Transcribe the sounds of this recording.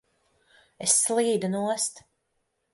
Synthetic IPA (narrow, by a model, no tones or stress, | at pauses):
esːlˠiːd̪unuɔst̪